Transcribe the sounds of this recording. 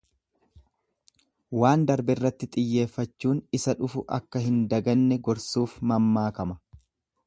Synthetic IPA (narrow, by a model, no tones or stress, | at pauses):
waːnd̪ɐɾbɪrːɐt̪ːɪt̪ʼɪjːe̞ːfːɐt͡ʃːuːnɪsɐᶑʊfʊʔɐ̰kːɐɦɪnd̪ɐɡɐnːɛɡɔɾsuːfmɐmːaːkɐmɐ̥